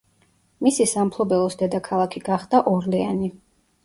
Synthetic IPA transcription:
misisampʰlˠɔbɛlˠɔsd̪ɛd̪akʰalˠakʰiɡaχd̪̥aʔɔɾlɛani

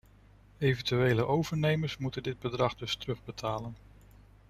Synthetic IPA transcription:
ejvəntyejləʔowvəɹnejməɹsmutəndɪd̚bədrɑχdɵstərɵχbətʰaːlən

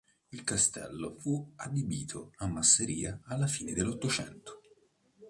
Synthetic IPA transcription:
ilkast̪ɛ̰lːofuad̪ibiːt̪ʰoamːasːeɾḭːaːlːafiːned̪elːot̪ːot͡ʃɛ̰nt̪o̥

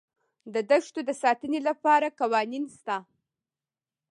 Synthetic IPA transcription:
d̪əd̪əʃt̪od̪əsɑt̪ənelapɑɾakawɑninst̪a

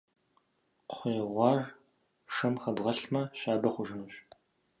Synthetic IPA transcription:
qʷʰeːʁʷɑːr | ʂɐmxɐbʁɐɬmɐɕaːbɐχʷʊʐɨnɨɕ

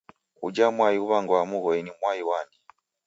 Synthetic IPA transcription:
ṵd͡ʒamwajiuβaŋɡwamuɣɔinimwajiwandi

